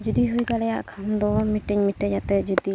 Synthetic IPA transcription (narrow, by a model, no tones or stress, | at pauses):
d͡ʒud̪iɦujɡaɽɛjaʔkʰand̪ɔmiʈiɲmiʈːɛd͡ʒat̪ɛd͡ʒud̪i